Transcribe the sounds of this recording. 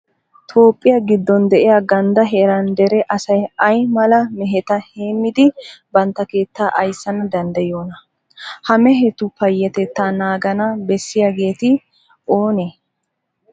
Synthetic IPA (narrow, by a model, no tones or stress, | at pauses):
t̪ʰo̞ːpʼːɪjɐɡɪd̪ːɔnd̪ɛʔɪjaɡɐnd̪ɐɦɛɾɐnd̪ɛɾɛʔɐsɐjɐjmɐlɐmɛɦɛt̪ɐheːmːɪd̪ɪbɐnt̪ːɐke̞ːt̪ːaːʔɐjsːɐnɐd̪ɐnd̪ɐjoːnɐ | hɐmɛɦɛt̪ʊpɐjːɐt̪ɛt̪ːaːnaːɡɐnɐbɛsːɪjaɡe̞ːt̪ɪ | o̞ːne